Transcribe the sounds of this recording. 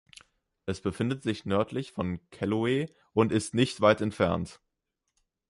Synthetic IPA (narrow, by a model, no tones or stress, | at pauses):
ʔɛsb̥əfɪndətz̥ɪçnœɐtʰlɪçfɔnkʰɛloeː | ʔʊntɪstnɪçtv̥aɪtɛntfɛɐnt